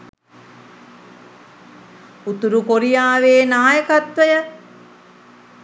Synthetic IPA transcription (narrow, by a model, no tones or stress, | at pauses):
ut̪uɾukoɾijaːʋeːnaːjəkat̪ʋəjə